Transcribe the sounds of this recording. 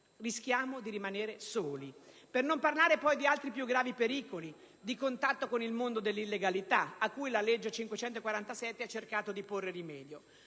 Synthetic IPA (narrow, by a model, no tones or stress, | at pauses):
risk̟jaːmod̪iɾimaneːɾesoːli | pernomparlaːɾepɔjd̪ialt̪ɾipjuɡɾaːvipeɾiːkoli | d̪ikont̪at̪ːokonilmond̪od̪elːilːeɡalit̪aakːujlaled͡ʒːet͡ʃiŋkwet͡ʃɛnt̪okwaɾant̪asɛt̪ːeat͡ʃːerkaːt̪od̪iporːerimɛːd̪jo